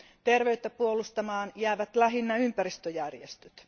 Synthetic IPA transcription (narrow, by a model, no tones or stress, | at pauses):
t̪erʋeyt̪ːæpuolust̪ɑmɑːnjæːʋæt̪læɦinːɑympærist̪øjærjest̪øt̪